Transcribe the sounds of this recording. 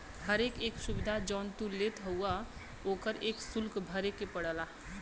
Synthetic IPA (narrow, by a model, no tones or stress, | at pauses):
ɦəɾekeksubid̪ʱad͡ʒɔnt̪ulet̪ɦəwa | oːkəɾeksulkbʱəɾekepəɽəla